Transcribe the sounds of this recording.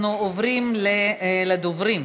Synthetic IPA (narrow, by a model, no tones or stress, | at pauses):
nuovɾimlelad̪ovɾim